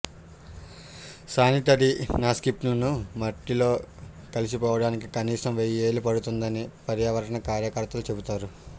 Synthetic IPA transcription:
saːnit̪ɐd̪inaːskip̚ʈlɐnumɐʈːilo̞ː | kɐlis̬ipɔːʋɐɽaːnikikɐniːʂɐmʋejeːlupɐɽut̪und̪ɐnipɐɾjaːʋɐɾɐɳɐkaːɾjɐkɐɾt̪ɐlut͡ʃe̞but̪aːɾu

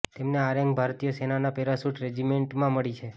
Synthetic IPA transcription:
t̪emneaɾə̃ŋɡbʱaɾt̪ijəsenanapeɾasuʈɾed͡ʒimeɳʈmãməɭit͡ʃʰe

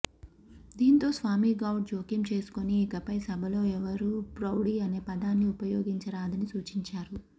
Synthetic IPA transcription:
d̪iːnt̪o̞ːsʋaːmiːɡɐwɖ̚d͡ʒoːkimt͡ʃe̞ːsu̥koniːkɐpɐjsɐbʱɐlo̞ːɛʋɐɾuːpɾɐwɽiɐne̞ːpɐd̪aːnːiupɐjo̞ːɡiɲt͡ʃɐɾaːd̪ɐnisuːt͡ʃiɲt͡ʃaːɾu

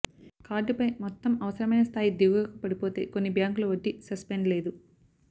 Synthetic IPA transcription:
kaːɾɖupɐjmɔt̪ːɐmɐʋɐsɐɾɐmɐjnɐst̪ʰaːjid̪iːʋɡɐkɐpɐɽipoːt̪e̞̰ːko̞nːibjaːŋkuluʋɐʈːisɐspeɳɖle̞ːd̪u

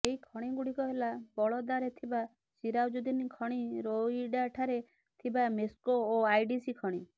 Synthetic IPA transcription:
eɦikʰɔɽ̃iɡuɽikɔɦelabɔɭɔd̪aɾet̪ʰiba | siɾawd͡ʒud̪inikʰɔɽ̃iɾoiɖaʈʰaɾe | t̪ʰibameskoːajɖisikʰɔɽ̃i

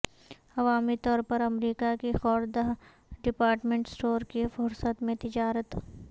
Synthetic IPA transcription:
ɐʋaːmit̪ɔːɾpɐɾɐmɾiːkakixɔːɾd̪aɦ | ɖɪpaːɾʈmẽɳʈsʈoːɾkefʊɾsət̪mẽt̪ɪd͡ʒaːɾət̪

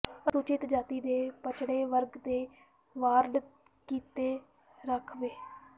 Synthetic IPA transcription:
əsut͡ʃɪt̪d͡ʒaːt̪iːd̪eːpət͡ʃɽeːʋəɾɡd̪eː | ʋaːɾɖ | kiːt̪eː | ɾəkʰʋeː

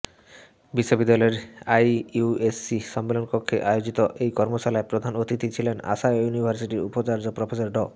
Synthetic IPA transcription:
biʃːobid̪ːaleɾajuesːiʃɔmːelonpokʰːeʔajod͡ʑit̪oʔejkɔɾmot͡ɕalaepɾod̪ʱanot̪it̪it͡ɕʰilena̰ʃajjunibʱaɾsiʈiɾṵpot͡ɕaɾd͡ʑopɾɔpʰesaɾɖɔ

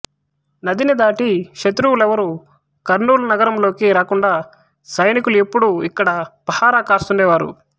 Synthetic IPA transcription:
nɐd̪inid̪aːʈiʃɐt̪ɾuwulɛʋɐɾu | kɐɾnuːlɐnɐɡɐɾɐmlo̞ːkiɾaːkuɳɖaː | sɐjnikulue̞pːuɽuikːɐɽɐpɐhaːɾaːkaːst̪uɳɖɛːʋaːɾṵ

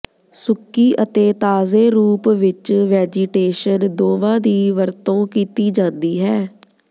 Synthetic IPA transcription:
sʊkːiːʔət̪eːt̪aːzeːɾuːpʋɪt͡ʃʋɛːd͡ʒɪʈeːʃənd̪oːʋãːd̪iːʋəɾt̪õːkiːt̪iːd͡ʒãːnd̪iːɦɛː

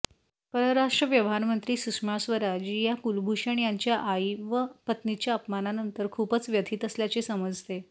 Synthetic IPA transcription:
pəɾəɾaʂʈɾəʋjəʋɦaɾmənt̪ɾiːsukʂmasʋəɾad͡ʑijakulbʱuʂaɳjaɲt͡ɕjaʔaiʋəpət̪nit͡ɕjaəpmananənt̪əɾkʰuːpət͡sʋjət̪ʰiːt̪əsljat͡sesəməd͡zʱt̪e

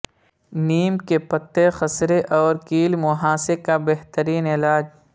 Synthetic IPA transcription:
niːmkepɐt̪ːexɐsɾeʔɔːɾkiːlmʊɦaːsekabeɦt̪əɾiːnɪlaːd͡ʒ

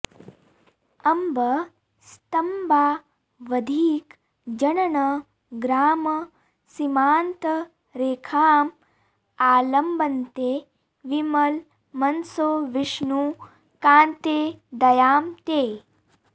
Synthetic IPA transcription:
ɐmbɐ | st̪ɐmbaː | ʋɐd̪ʱiːk | d͡ʒɐnɐnɐ | ɡɾaːmɐ | simaːnt̪ɐ | ɾeːkʰaːm | aːlɐmbɐnt̪eː | ʋimɐl | mɐnsoːʋiʂnu | kaːnt̪eːd̪ɐjaːmt̪eː

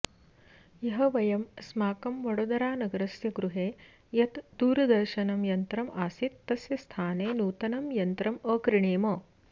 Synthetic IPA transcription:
jɐɦɐʋɐjɐmsmaːkɐmʋɐɽoːd̪ɐɾaːnɐɡɐɾɐsjɐɡɾuɦeː | jɐt̪d̪uːɾɐd̪ɐɾʃɐnɐmjɐnt̪ɾɐmʔaːsit̪ːɐsjɐst̪ʰaːneːnuːt̪ɐnɐmjɐnt̪ɾɐmɐːkɾiɳeːmɐː

